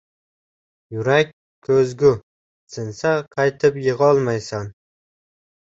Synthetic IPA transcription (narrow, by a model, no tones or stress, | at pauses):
jʊɾakʲ | kʰːɵzɡʲʊ | sɪnsaqʰɑjt̪ʰɪpjɨʁɒlˠmajsan